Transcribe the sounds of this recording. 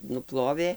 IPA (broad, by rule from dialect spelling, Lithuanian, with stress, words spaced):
nʊˈplˠoːʋʲeː